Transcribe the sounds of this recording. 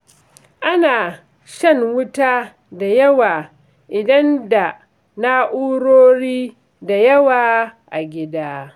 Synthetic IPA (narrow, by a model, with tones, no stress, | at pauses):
ʔa˦naː˨ | ʃɐ˦ŋwʊ˦taː˦ | da˨jɐ˦waː˨ | ʔɪ˨dɐ˦nda˨ | na˦ʔuː˦ɽoː˦ɽiː˦ | da˨jɐ˦waː˨ʔa˨ɡʲɪ˦daː˦